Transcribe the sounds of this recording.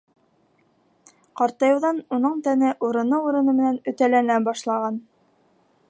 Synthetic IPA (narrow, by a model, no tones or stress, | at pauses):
qɑɾt̪ɑjɤ̆wðɑnunɤɴt̪ænɘʔuɾɤ̆nɤuɾɤ̆nɤmɘ̆nænɵ̆t̪ælænæbɑʃlˠɑʁɑn